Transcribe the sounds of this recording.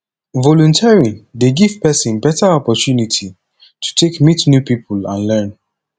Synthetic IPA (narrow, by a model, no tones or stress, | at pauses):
vɔlũntʰɛɹideɡiv̥pɛsĩnbɛtəɔpɔtjunitʰi | tʰu̥tʰekmitnjupipʰulãnlɛ̃n